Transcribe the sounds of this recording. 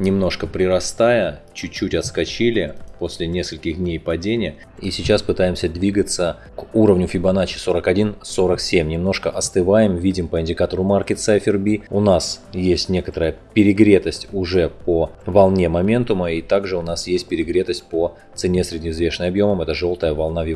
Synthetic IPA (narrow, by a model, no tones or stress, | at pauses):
nʲɪmno̞ʂkəpɾʲɪɾɐst̪ajət͡ɕʊt͡ɕːutʲɐt̪skɐt͡ɕilʲɪpo̞sʲlʲɪnʲe̞skəlʲkʲɪxd̪ʲnʲejpɐdʲenʲɪjə | isʲɪt͡ɕaspɨt̪ajɪmsʲəd̪vʲiɡət̪sə | kuɾəvnʲʊfʲɪbɐnat͡ɕɪ̥so̞ɾəkɐdʲinsoɾəksʲemʲnʲɪmno̞ʂkəʔɐst̪ɨvajɪmvʲidʲɪmpəɪnʲdʲɪkat̪əɾʊmarkʲɪt̪sajfʲɪrbʲiʊnasjesʲtʲnʲe̞kət̪əɾəjəpʲɪɾʲɪɡɾʲe̞t̪əsʲtʲʊʐɛpovɐlˠnʲe̞mɐmʲe̞nt̪ʊməit̪aɡʐɨʊnasjesʲt̚ʲpʲɪɾʲɪɡɾʲet̪əsʲt̚ʲpə | t̪sɨnʲesʲɾʲɪdʲnʲɪzvʲe̞ʂɨnəjɐbjo̞məmɛt̪əʐo̞lˠt̪əjəvɐlˠnavjɪ